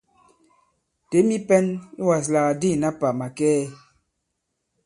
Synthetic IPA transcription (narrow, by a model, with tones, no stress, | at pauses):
te˨˦mi˦pɛ˦ni˦wa˨s̬la˨ɣa˨di˦˨na˦pa˨ma˨kɛː˦